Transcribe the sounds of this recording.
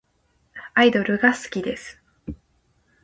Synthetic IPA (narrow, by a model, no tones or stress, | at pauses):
aid̪o̞ɾɯ̟ɡasɨ̥kʲid̪e̞sɨ̥